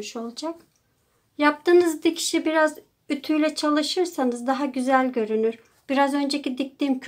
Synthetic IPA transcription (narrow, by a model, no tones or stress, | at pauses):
ʃo̞lˠd͡ʒak | jap̚t̪ʰɯːnɯzd̪icʰi̥ʃibiɾaz | yt̪ʰyjlʲɛt͡ʃʰalˠɯʃɯɾsanɯzd̪aɦaɟyzælʲɟø̞ɾynyɾ | b̥iɾazø̞nd͡ʒecid̪ic̚t̪imcʰ